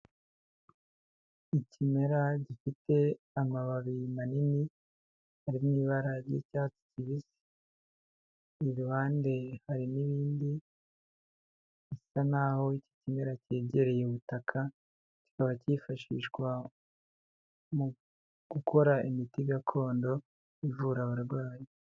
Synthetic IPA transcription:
icime̞ɾaɟifite̞ | amaβaβimanini | haɾimniːβaɾaɾɟecaːt͡si̥ciβisi̥ | βuβaːnde̞haɾiniβiːndi | isanaho̞ici̥cime̞ɾaceːɟeɾe̞jeuβutakʰa | ci̥kaβacifaʃḭʃɡwa | mu | ɡ̥ukʰo̞ɾaimitiɡatʰo̞ːndo̞ | ivuɾaβaɾɡwaːje

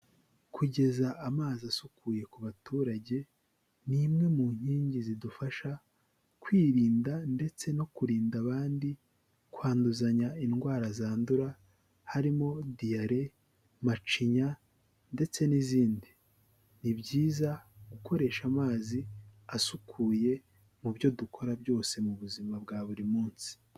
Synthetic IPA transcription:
kʰuɟe̞zaʔamaːziasukuːje̞kuβatʰuːɾaɟe̞ | nimŋe̞muɲ̥hiːɲɟizidufaʃa | kwiːɾiːndande̞t͡se̞no̞kuɾiːndaβaːndi | kwaːnduzaɲainɡwaːɾazaːnduɾa | haɾimo̞dijaɾe̞ | mat͡ʃiɲa | nde̞t͡se̞niziːndi | nibɟiːzaɡukʰo̞ɾe̞ːʃamaːziasukʰuːje̞ | mubjo̞dukʰo̞ɾabjo̞ːse̞muβuzimabɡaːβuɾimuːnsi̥

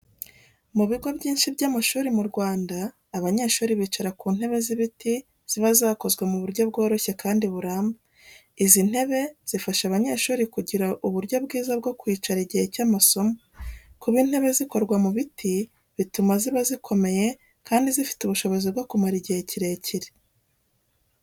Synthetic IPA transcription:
muβiɡo̞bɟiːnʃibjaːmaʃuːɾimuɾɡwaːndaː | βaɲe̞ːʃuːɾiβiːt͡ʃaɾakuːn̥he̞βe̞ziβiti | z̥iβazaːko̞zɡwemuβuɾɟo̞bɡo̞ːɾo̞çe̞kaːndiβuɾaːmba | izin̥he̞βe̞z̥ifaʃaβaɲe̞ʃuːɾikuɟiɾaʔuβuɾɟo̞bɡiːzabɡo̞kwiːt͡ʃaɾiɟihecaːmaso̞mokuβiːn̥he̞βe̞ziko̞ɾɡwamuβiti | βitumaziβazikʰo̞me̞je | kaːndizifi̥tuβuʃo̞βo̞zibɡo̞kumaɾiɟiheciɾe̞ciɾe

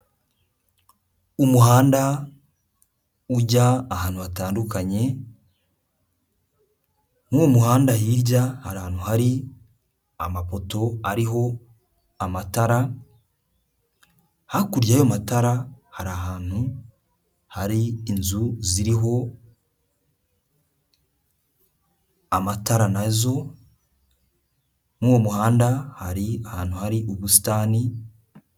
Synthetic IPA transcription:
umuɦaːnda | uɟaːhaːnhuβataːndukaɲe̞ | momuhaːndajiːɾɟahaɾahaːn̥huhaɾi | a̰mapo̞to̞aɾiɦo̞ | amataɾa | hakuɾjaːjomataɾahaɾaɦaːn̥hu | haɾiːnzuziɾiɦo̞ | amataɾanazo̞ | muːwomuhaːndahaɾiahaːn̥huhaɾiʔuβusi̥taːni

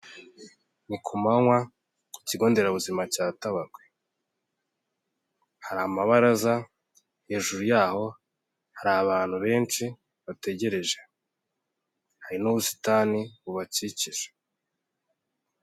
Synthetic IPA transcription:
nikʰumaŋwa | iciɡo̞ːnde̞ɾaβuzimacaːtaβaɡwe | haɾamaβaɾaza | he̞ːʒuɾujaːho̞ | haɾaβaːn̥huβe̞ːnt͡ʃi | βate̞ɟe̞ɾe̞ʒe̞ | haɾinoβusi̥taːniβuβaciciʒḁ

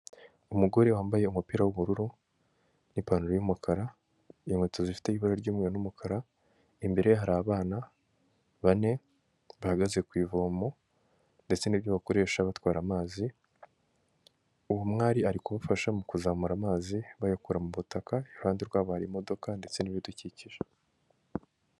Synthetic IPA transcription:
umuɡo̞ɾewaːmbaje̞umupiːɾawuβuɾuɾu | nipanuɾojumukʰaɾa | imwet͡sozifi̥te̞iβaɾaɾɟuːmŋeɾonumukʰaɾa | imbe̞ɾeɦaɾaːβaːna | βane̞ | βahaɡaze̞kwiːvo̞ːmo̞ | nde̞t͡se̞niβbjoβako̞ɾe̞ːʃaβatwaːɾamaːzi | uβumŋaːɾiaɾikuβafaʃamukuzaːmuɾamaːziβajakuɾamuβutakaiuaːndiɾɡwaːβohaɾimo̞do̞kande̞t͡se̞niβjoduciciʒe

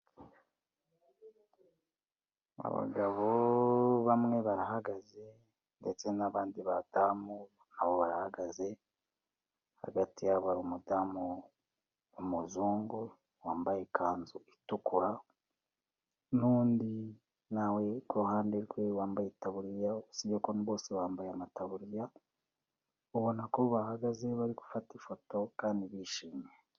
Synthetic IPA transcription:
a̰βa̰ɡaβoβamŋe̞βaɾahaɡaze̞ | nde̞t͡se̞naβaːndiβadamu | aβoβaɾahaɡaze̞ | ha̰ɡatijaβaɾumudamuː | muzuːŋɡu | waːmbajekʰaːnzuitukuɾa | nuːndi | nawe̞kohaːndeɾɡwe̞waːmbajetaβuɾijausiβeko̞niβo̞ːseβaːmbajamataβuɾija | uβonakoβahaɡaze̞βaɾiku̥fatifo̞to̞kaːndiβiːʃiːme

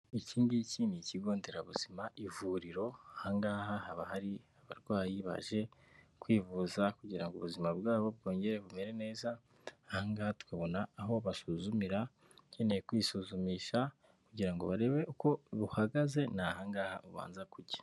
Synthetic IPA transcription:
iciːndiciːniciɡo̞ːnde̞ɾaβuz̥imaʔivuːɾiɾo̞ahaŋɡaːhahaβahaɾihaβa̰ɾɡwajiβa̰ʒe̞ | kwiːvuːzakuɟiɾaŋɡuβuzimabɡaːβo̞b̚ɡo̞ːɲɟe̞ɾeβume̞ɾe̞ne̞ːza | haŋɡatu̥kaβo̞naːɦo̞βasuzumiɾa | cenejkwiːsuzumiːʃa | kuɟiɾaŋɡo̞̰βaɾe̞βe̞ʔuko̞βuhaɡaze̞nahaŋɡaːhauβa̰ːnzakuɾɟḁ

